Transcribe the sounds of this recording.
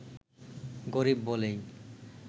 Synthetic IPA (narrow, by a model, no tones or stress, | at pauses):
ɡoɾibːolej